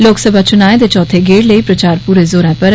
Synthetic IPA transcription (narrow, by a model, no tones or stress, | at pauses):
loːksəbʱaːt͡ʃʊnaːẽd̪eːt͡ʃɔːt̪ʰeːɡeːɽləiːpɾət͡ʃaːɾpuːɾeːzoːɾɛ̃ːpəɾ